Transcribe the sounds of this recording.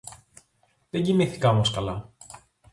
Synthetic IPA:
ðeɲɟimiθi̥kɐomoskɐlɐ

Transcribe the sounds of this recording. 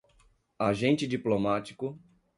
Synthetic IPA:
aʒẽnt͡ʃɪd͡ʒiplomat͡ʃi̥kʊ

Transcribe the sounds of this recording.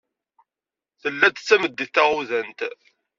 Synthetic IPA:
θəlːæt̪t͡sːæməd̪ːiθæʁuðənt̪

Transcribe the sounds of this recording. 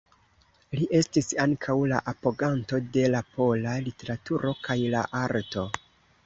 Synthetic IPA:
liʔe̞stisaŋkʰawlaʔapo̞ɡanto̞de̞lapʰo̞lalite̞ɾatuɾʔo̞kajla̰ʔaɾto̞

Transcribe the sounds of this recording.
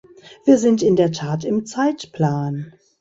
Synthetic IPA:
v̥iːɐzɪntɪndeːɐtʰaːtɪmt͡saɪtpl̥aːn

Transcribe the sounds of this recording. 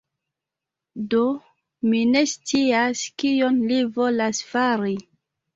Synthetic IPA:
do̞ | mine̞st͡siaskijo̞nlivo̞lasfaɾi

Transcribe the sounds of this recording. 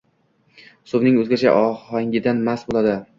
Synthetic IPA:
sʊbnɪŋɵzɡʲat͡ʃʰa̰ʔɒhaŋʲɪd̪anmasbolˠad̪ɪ

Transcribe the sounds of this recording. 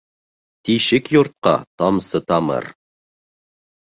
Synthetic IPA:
t̪iʃɪkjoɾt̪̚qɑ̰t̪ʰɑmsət̪ʰɑmə̰ɾ

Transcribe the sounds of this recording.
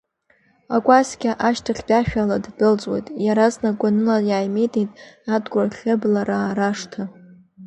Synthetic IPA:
akʷʼasɡʲaʔaʃtʰaχʲbʲʼaʃᶣaladdɨlt͡sʼwḛjtʼjaɾaznakʷanɨlajaːjmejtʼejtʼadɡʷʼarχʲɨblaɾaɾaʂtʰa

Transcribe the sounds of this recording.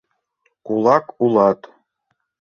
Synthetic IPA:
kulˠɑkulˠɑt̪

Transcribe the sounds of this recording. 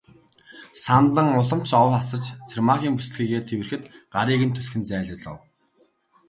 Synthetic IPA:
sant̪ə̆ŋʊɮə̆m̥t͡ɕʰɔwasə̆t͡ɕt͡sʰirmaχʲiːŋpus̆ɮxiːɣeːrt̪ʰewɘ̆rxɘ̆t̪ɢaɾiːɣɘ̆nt̪ʰusxɘ̆nt͡sæːɮə̆ɮə̰̆w

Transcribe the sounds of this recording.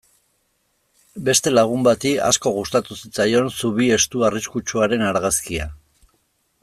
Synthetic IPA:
be̞st̪e̞laɣ̞umbat̪ia̰sko̞ɣust̪at̪usit͡sajo̞nsuβ̞ie̞st̪uariskut͡ʃuaɾe̞naɾɣaskia̰

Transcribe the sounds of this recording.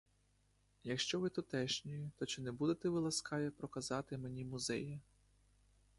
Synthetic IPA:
jɐkʃt͡ʃɔʋɪt̪ɔt̪ɛʃnʲɔjit̪ɔt͡ʃɪnɛbud̪et̪ɛʋɪlˠɐskɑjɛpɾɔkɐzɑt̪ɪmenʲimʊzɛ̰jɐ

